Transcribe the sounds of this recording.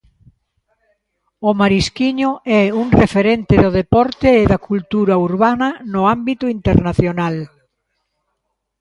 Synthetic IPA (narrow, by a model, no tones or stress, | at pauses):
ʊmaɾiskiɲʊɛuŋrefeɾent̪ɪðʊðepɔɾt̪ɪːðakult̪uɾɐuɾβanɐnʊambit̪ʊint̪eɾnaθjonal